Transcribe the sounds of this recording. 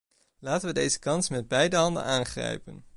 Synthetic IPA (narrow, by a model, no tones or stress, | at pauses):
laːtənʋədejzəkɑnsmɛd̚bɛjdəɦɑndə̰naːnχrɛ̰jpən